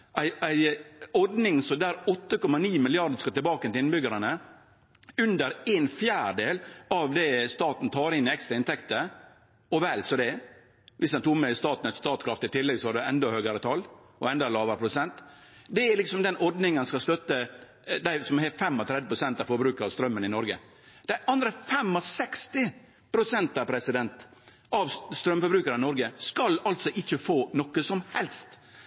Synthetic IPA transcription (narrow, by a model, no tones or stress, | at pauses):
ʔæɪæɪɔɖ̪nɪŋsɔmd̪æːɾɔt̪ːəkɔmɑniːmɪlɪɑɾɖ̪əskɑt̪ɪlbɑːkənɪɪnbʏɡəɾɑnə | ʉnd̪əɾenfjæːɾɖeːlɑʋd̪ɛst̪ɑːt̪n̩t̪ʰɑːɾɪnːɪɛkst̪ɾɑɪnt̪ʰɛkt̪ə | ɔʋɛːlsɔd̪ɛ | ʋɪsd̪ɛnt̪ukmɛɪst̪ɑːt̪n̩ɛt̪st̪ɑːt̪kʰɾɑft̪ɪt̪ʰɪlːɛɡsɔʋɑɖɛɛnd̪ɑhøːɡəɾət̪ʰɑlː | ɔɛnd̪ɑlɑːʋəɾəpʰɾʊsɛnt̪ | d̪ɛæɾlɪksɔmd̪ɛnɔɾd̪nɪŋənskɑst̪œt̪ːə | d̪æɪsɔmhɛfɛmːɔt̪ʰɾɛd̪ɪpʰɾʊsɛnt̪ɑʋfɔɾbɾʉːkəɾɑʋst̪ɾœmːənɪnɔɾɡə | d̪̥æɪʔɑnd̪ɾəfɛmːɔsɛkst̪ɪ | pʰɾʊsɛnt̪ɑpʰɾɛsɪd̪ɛnt̪ | ɑʋst̪ɾœmfɔɾbɾʉːkəɾəɪnɔɾɡəskɑlɑlt̪sɔʔɪçːəfoːnɔkːəsɔmhɛlst̪